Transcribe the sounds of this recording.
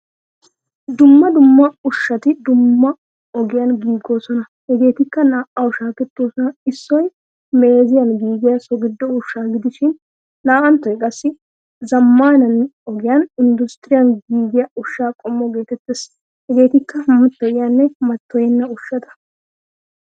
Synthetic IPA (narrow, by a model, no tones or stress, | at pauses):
d̪ʊmːɐd̪ʊmːɐʊʃːɐt̪ɪd̪ʊmːɐ | ɔɡɪjanɡiːɡːoːsɔnɐ | hɛɡe̞ːt̪ɪkːɐnaːʔɐwʊʃaːkɛt̪ːoːsɔnɐɪsːɔj | me̞ːzɪjɐnɡiːɡɪjɐsɔɡɪd̪ːɔʊʃːaːɡɪd̪ɪʃɪnː | aːʔɐnt̪ːɔjkʼɐsːɪ | zɐmːaːnɐnɔɡɪjɐnɪnd̪ʊst̪ɪɾɪjɐnɡiːɡɪjaʊʃːaːkʼɔmːɔɡe̞ːt̪ɛt̪ːeːs | hɛɡe̞ːt̪ɪkːɐmʊt̪ːɔjɪjanːɛmɐt̪ʰːɔjɪnːɐʊʃːɐt̪ɐ̥